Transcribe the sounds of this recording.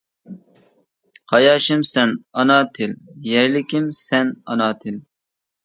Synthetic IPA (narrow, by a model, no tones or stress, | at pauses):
qʰɑjɑːʃɪmsɛnɑnɑːt̪ʰɪljɛɾlɪkʲʰɪmsɛnɑ̰nɑːt̪ʰɪl